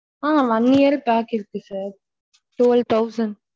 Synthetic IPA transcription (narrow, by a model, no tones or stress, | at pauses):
aːʋɐnɪjɐɾpaːkɪɾɯkːɯsaːɾ | ʈoːlt̪ɐʊsɐ̃n